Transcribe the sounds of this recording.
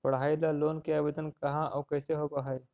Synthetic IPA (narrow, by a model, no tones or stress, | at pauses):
pɐɽɦaːilaloːnkeabed̪ənkɐɦãʔɔːkɛːseɦoːɡaɦae